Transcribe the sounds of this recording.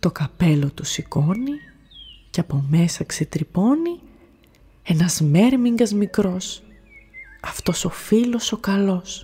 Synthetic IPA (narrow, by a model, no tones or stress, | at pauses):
t̪o̞kɐpe̞lot̪usiko̞ni | ceɐpo̞me̞sɐkse̞t̪ɾipo̞ni | e̞nɐzme̞ɾmiŋɡɐzmikɾo̞s | ɐft̪o̞so̞filo̞so̞kɐlo̞s